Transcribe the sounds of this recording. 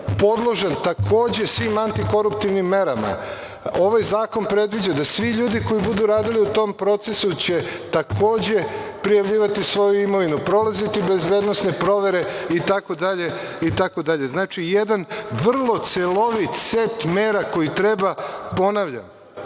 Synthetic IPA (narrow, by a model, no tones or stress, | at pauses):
po̞d̪lˠo̞ʒant̪akʰo̞ːd͡ʑe̞sʋiːmant̪iko̞ɾupt̪iʋnimːe̞ɾama̰ | o̞ʋajzaːko̞npɾe̞d̪ʋid͡ʑad̪asʋiʎuːd̪iko̞ibud̪uɾaːd̪iliut̪o̞mpɾo̞t̪sesut͡ɕe̞t̪akʰo̞ːd͡ʑe̞pɾijaʋʎiːʋat̪isʋo̞juimo̞ʋinupɾo̞lˠazit̪ibe̞zbe̞ːd̪no̞snepɾo̞ʋe̞ɾeit̪ako̞d̪aʎe̞ | it̪akod̪aʎe̞znaːt͡ʃijed̪anʋr̩lˠo̞t̪selo̞ʋit̪set̪meːɾako̞jit̪ɾebapo̞naʋʎa̰m